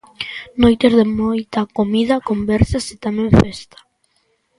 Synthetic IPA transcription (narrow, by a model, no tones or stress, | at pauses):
nojt̪eɾðemojt̪akomiðɐkombɛɾsasɪt̪amẽɱfɛst̪ḁ